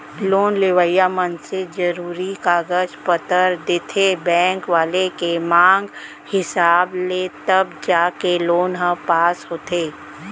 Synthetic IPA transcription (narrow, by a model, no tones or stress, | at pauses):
loːnleʋəjamənsed͡ʒəɾuːɾikaːɡəd͡ʒpət̪əɾd̪ɪt̪ʰebɛ̃ːŋkʋaːlekemãːŋɡ | hɪsaːblet̪ɐbd͡ʒaːkeloːnɦə̃paːsɦoːt̪eː